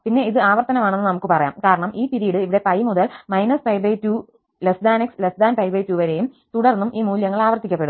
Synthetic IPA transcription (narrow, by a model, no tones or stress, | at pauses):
pinːe̞iðɨaːʋɐrt̪ɐnɐmaːɳenːɨnɐmukːɨpɐrɐja̰ːmkaːɾɐɳɐmʔiːpiɾijiɽɨiʋiɽe̞pɐjmuðɐlmɐjnɐsfɐjbɐjtːuː | lesd̪aːnekslesd̪aːnfɐjbɐjtːuʋɐɾe̞jum | t̪uɽɐrnːumʔiːmuːljɐŋːɐɭaːʋɐrt̪ikʲːɐpːeɽumm